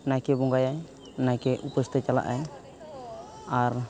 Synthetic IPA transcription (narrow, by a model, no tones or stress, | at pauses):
najkɛbɔŋɡajaj | najkɛʔupəst̪it͡ʃala̰ʔaj | aɾ